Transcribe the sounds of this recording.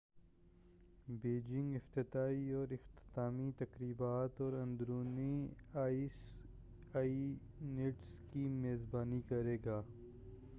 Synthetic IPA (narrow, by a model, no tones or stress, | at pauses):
beːd͡ʒɪ̃ŋɡɪft̪ɪt̪aːiɔːɾɪxt̪ɪ̥t̪aːmit̪ɐkɾiːbaːt̪ɔːɾɐ̃nd̪ɾuːniaːs | aːi | neʈskimeːzbaːnikɐɾeːɡaː